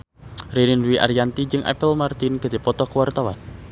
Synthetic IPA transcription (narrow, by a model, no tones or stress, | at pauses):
riɾinwiʔa̰ɾijant̪id͡ʒɨŋʔɛ̰pəlmart̪inɡ̥a̤d̪e̤pɔt̪ɔkəwart̪awa̰n